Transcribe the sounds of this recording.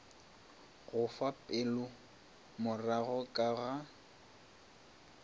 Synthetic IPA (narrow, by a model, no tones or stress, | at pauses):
ɣʊfapʼɪlʊ | mʊraɣɔkʼaɣa